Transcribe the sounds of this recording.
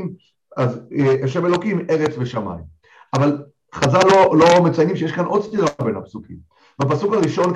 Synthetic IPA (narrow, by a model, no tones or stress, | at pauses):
m | azeʔeʃevelo̞kime̞ʁet͡sveʃama̰jm | ʔaval | χazalːolo̞met͡sajnimʃejeʃkanʔo̞d̪stiʁabe̞nhapsukim | bap̬asukaʁiʃo̞nk